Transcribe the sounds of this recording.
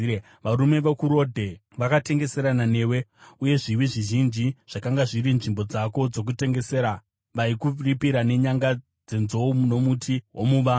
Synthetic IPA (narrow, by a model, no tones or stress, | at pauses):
ʋaɾume̞ʋekuɾo̞dʱe̞ | ʋakate̞ŋɡe̞se̞ɾanane̞ːwe̞uje̞ʐiʋiʐiʒind͡ʒiʐ̥akaŋɡaʐiɾinʐimbo̞d͡zako̞d͡zo̞k̬ute̞ŋɡe̞se̞ːɾa | ʋaikuripiɾane̞ɲaŋɡa | d͡ze̞nzo̞umuno̞mutʰiɦwomuːʋa